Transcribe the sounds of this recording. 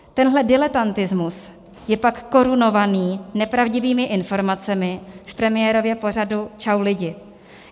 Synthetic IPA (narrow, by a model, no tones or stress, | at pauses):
t̪ɛnɦlɛdɪlɛt̪ant̪ɪzmus | jɛpakːo̞ɾuno̞vaniːnɛpɾavɟɪviːmɪʔɪnfo̞ɾmat͡sɛmɪfpɾɛmɪjɛːɾo̞vjɛpo̞r̝adut͡ʃawlɪɟɪ